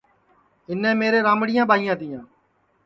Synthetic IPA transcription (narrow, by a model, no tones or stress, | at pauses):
ɪnẽːmeːɾeːɾãːmɽɪjãːɓaːɪjãːt̪iːãː